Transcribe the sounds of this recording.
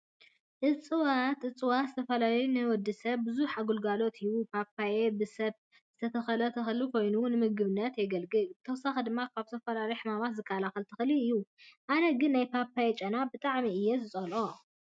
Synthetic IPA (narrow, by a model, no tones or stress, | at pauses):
ʔɨt͡sʼɨwat̪ɨt͡sʼɨwat̪zɨt̪ʰɐfɐlalɐjunɨwɔd̪isɐβbɨzuħaɡulɡalo̞t̪ʰiwupʰapʰːajebɨsɐβt | z̥ɨt̪ʰɐt̪ʰɐxɐlɐt̪ʰɐxɨlukʰo̞jnunɨmɨɡɨβɨnːɐt̪jɛɡɐlɡʼɨlbɨt̪ʰɐwsaxid̪ɨmːakʰaβt̪ʰɐfɐlalɐjħɨmamat̪zɨkʰːalaxɐlt̪ʰɨxliɨjːuʔanɐɡɨnːajpʰapːajet͡ʃʼɐnabɨt̪ʼaʕmiɨjːɛzɨt͡sʼɐlʔo